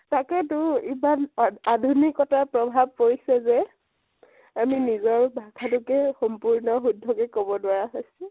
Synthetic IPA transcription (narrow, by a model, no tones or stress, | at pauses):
takɛtʊimanadʱunikɔtapɹɔbʱab̚poɹisɛzɛ | aminizɔɹbʱakʰadukɛxɔmpuɹnɔxudʱːɔkɛkobɔdʊwaɹaɦojsɛ